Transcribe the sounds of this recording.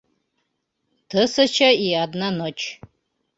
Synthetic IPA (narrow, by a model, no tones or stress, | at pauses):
t̪ʰəsɐt͡ʃʰɐiad̪nanot͡ʃʰ